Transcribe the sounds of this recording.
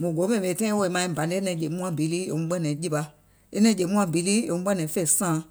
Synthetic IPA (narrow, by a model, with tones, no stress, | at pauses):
mũ˨ɡo˨˦mɛ̃˨ĩ˨ɓe˧˨tã˦ĩ˦wo˧e˨mã˨ĩ˦˨bã˨nde˦nɛ̃˧˨˦d͡ʒe˨˦mũ˦ã˧bi˨˦liː˦ḛ˨ŋũ˧˦ɓɛ̃˦nɛ̃˨˦d͡ʒi˦˧pa˧ | e˦nɛ̃˧˦e˨mũ˦ã˧˦bi˨˦liː˦ḛ˧˨ŋũ˧˦ɓɛ̃˦nɛ̃˨˦fe˦˨sãː˨˦